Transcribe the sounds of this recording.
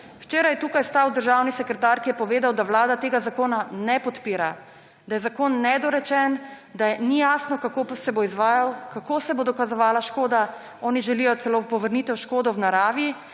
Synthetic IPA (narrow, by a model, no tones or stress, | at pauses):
wt͡ʃeːɾajɛt̪uːkajst̪awd̪əɾʒaːwnisɛkɾɛt̪aɾkijɛpɔʋeːd̪awd̪awlaːd̪at̪eːɡazakoːnanɛpɔt̪piːɾa | d̪ajɛzakoːnːɛd̪ɔɾɛt͡ʃɛnd̪anijaːsnɔkakopɔsɛboizʋaːjawkakosɛbod̪ɔkazɔʋaːlaʃkoːd̪a | ɔːniʒɛlijɔt̪sɛlopɔʋəɾnit̪ɛwʃkoːd̪ɔwnaɾaːʋji